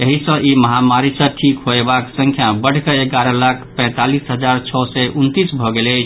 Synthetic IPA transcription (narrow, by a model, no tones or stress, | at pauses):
eɦisə̃ʔiməɦamaɾisə̃ʈʰikɦoebaksə̃ŋkʰjabəɽ̤keeɡaɾə̃lakʰpɛ̃t̪alisɦəd͡ʒaɾt͡ʃʰɔsɛʔunt̪isbʱɔɡelət͡ʃʰ